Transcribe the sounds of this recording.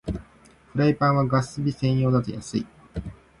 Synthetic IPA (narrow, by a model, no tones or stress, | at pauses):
ɸɯ̟ɾaipãɰ̃βaɡasɨbʲisẽ̞ɰ̃jo̞ːd̪at̪ejasɨ̰i